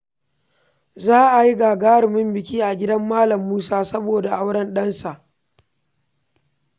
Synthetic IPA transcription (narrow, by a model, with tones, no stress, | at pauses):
zaː˦ʔa˨ji˦ɡaː˨ɡaː˦ɾɪ˨mɪ˦mbɪ˨k̬ʲiː˦ʔa˨ɡʲɪ˦dɐ˦mːaː˦lɐ˨mːuː˦saː˦sɐ˦boː˨da˨ʔa˦wɽɐ˦nɗɐ˦nsa˨ʔ